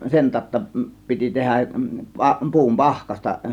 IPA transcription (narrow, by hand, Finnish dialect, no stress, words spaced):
sen tɑˑo̝tːɑ piti tehæʔ pɑ pu̞um pɑhkɑstɑ